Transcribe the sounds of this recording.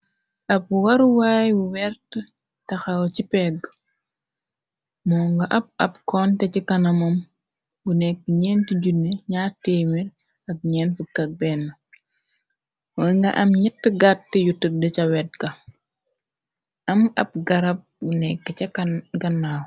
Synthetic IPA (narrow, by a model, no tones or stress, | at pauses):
ʔɐp̚ːuwɐɾuwaːjbuwɛɾtə | tɐxɐwcipɛɡ | mɔːŋɡɐʔɐp̚ɐpkɔntɛcikɐnɐmɐm | bunɛkːəɲɛːntiɟunːeɲaːtemil | ɐk̚ɲɛːnfukɐk̚bɛːnːɐ | wɔŋɡɐ̰ʔɐmɲitːəɡatːijutːədət͡ʃɐwɛt̚ɡɐ | ʔɐmɐ̰p̚ɡɐɾɐp̚bunɛkːəcɐkɡɐnːaːw